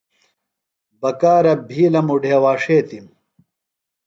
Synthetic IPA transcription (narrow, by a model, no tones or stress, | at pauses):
bɐkaːɾɐbʱiːlɐmuɖʱeːwaːʂeːt̪im